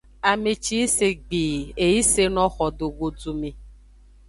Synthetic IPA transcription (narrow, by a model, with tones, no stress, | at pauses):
a˨me˨t͡ʃi˦i˦se˨ɡ͡bi˨e˨ji˦se˦nɔ̃˦xɔ˨do˨ɡo˨d͡zu˨me˨